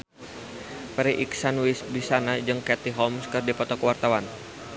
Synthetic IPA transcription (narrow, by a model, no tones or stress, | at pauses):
pɾiʔiksanwisbisanad͡ʒɨŋkɛt̪iɦɔmskɨrdipɔt̪ɔkəwart̪awan